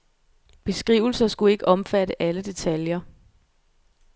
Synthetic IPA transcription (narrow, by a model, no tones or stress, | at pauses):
b̥e̝sɡ̥ʁḭʊl̩sɐsɡ̥ue̝ɡ̥əʔɒ̽mfæɾəʔæləd̥e̝t͡sʰæljɐ